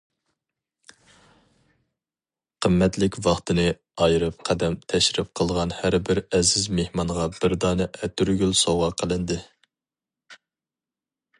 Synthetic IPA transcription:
qʰəmːɛt̪lɪkʲvɑχt̪ʰɨnɨ | ɑjɾɨp̚qʰæd̪ɛmt̪ʰɛʃɾɪp̚qʰəlˠʁɑnhæɾbɪɾɛzɪzmehmɑɴʁɑbɪɾd̪ɑːnɨʔɛt̪ʰyɾɡʲylsowʁɑqʰəlˠɨnd̪ɨ

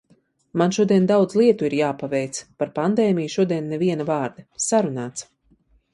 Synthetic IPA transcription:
manʃuɔd̪iɛnd̪awd̪zlˠiɛt̪uiɾjaːpavɛjt̪spaɾpand̪ɛːmijʃuɔd̪iɛnːɛviɛnavaːɾd̪ɐsaɾunaːt̪s

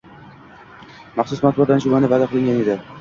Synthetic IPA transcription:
mɑχsʊsmat̪̚bɒd̪anʃʊmanɪvad̪aqʰɨlˠɪŋʲaned̪ɪ

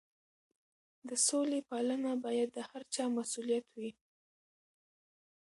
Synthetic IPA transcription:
d̪əsolepɑlənabɑjad̪ːəhaɾt͡ʃɑmasulijat̪wi

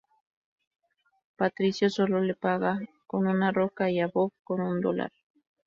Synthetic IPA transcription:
pat̪ɾisjosololepɑɢɑ | kononaɾokajabobkonond̪o̰la̰ɾ

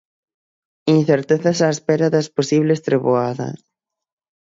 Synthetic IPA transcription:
in̟θeɾt̪eθɐsaespɛɾɐðɐsposiβlest̪ɾeβoaðɐ̰

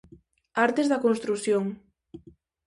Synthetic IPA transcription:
aɾt̪ezðɐkonst̪ɾuθjoŋ

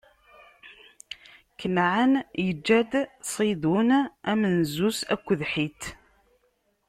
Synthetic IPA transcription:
kənʕanjəd͡ʒːæd̪sˤid̪unæmənzusæ̰kʷːəðħit̪

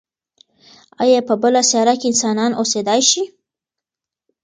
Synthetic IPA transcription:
ɑ̰jɑpəbəlasjɑɾakeɪnsɑnɑnosed̪ɑjʃi

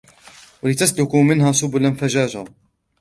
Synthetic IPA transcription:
walɪt̪aslʊkumɪnɦaːsʊbʊlanfaʒaːd͡ʒaː

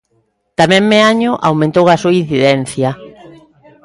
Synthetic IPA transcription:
t̪amɛ̃ŋmeaɲʊʔawmẽnt̪owasuɐin̟θiðɛn̟θjɐ

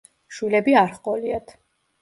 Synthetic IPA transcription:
ʃwilɛbiaɾχqʼɔliat̪ʰ

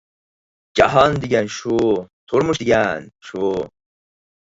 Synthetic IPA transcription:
d͡ʒa̰ɦand̪iɡʲanʃut̪ʰuɾmuʃd̪iɡʲanʃu

